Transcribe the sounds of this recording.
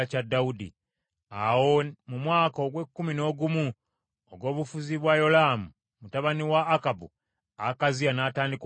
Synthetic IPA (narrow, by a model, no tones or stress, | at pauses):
cadːaudḭ | awo̞mumwaːkoɡwe̞kːumino̞ːɡumu | oɡwo̞ːβufuziβwajo̞laːmu | mutaβaniwaːkabṵ | akazianaːtaːndik